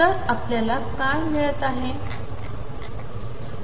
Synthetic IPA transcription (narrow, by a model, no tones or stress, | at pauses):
əɾapljalakajmiɭət̪aɦe